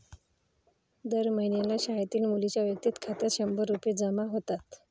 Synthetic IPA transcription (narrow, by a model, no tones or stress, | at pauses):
d̪əɾməɦjnjalaɕajat̪iːlmulit͡ɕjaʋjək̚t̪iːt̪kʰat̪jaɕəmbəɾːuped͡zamaɦot̪at̪